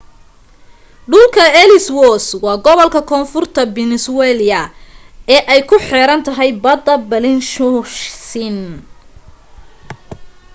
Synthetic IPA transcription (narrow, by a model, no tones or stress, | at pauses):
ɖʊlkʰɐɛlɪswɔswɑːɡɔβɔlkʰɐkʰɔːnfʊrt̪ʰɐbɪnɪswɛljɐ | ɛːʔɛjkʰʊħɛːɾɐnt̪ʰɐɦɛjbɐd̪ɐbɐlɪnʃʊʃsɪn